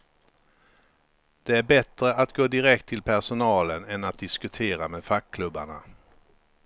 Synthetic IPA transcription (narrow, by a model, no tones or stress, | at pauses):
d̪̥ɛæɾbɛt̪ɾəʔat̪ɡoːd̪ɪɾɛk̚t̪ʰːɪlpʰæʂʊnɑːlənɛnat̪̚d̪ɪskɵt̪ʰeːɾameːd̪fakʰːlɵbːaɳa